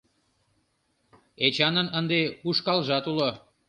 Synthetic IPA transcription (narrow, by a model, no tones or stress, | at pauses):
et͡ɕɑnənənd̪euʃkɑlʒɑt̪ulo